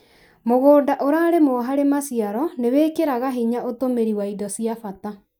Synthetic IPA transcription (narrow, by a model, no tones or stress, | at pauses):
moɣoːdaʔoɾaɾemɔɦaɾemasiaɾɔnewekeɾaɣaɦiɲaʔotomeɾiwaidɔsiafata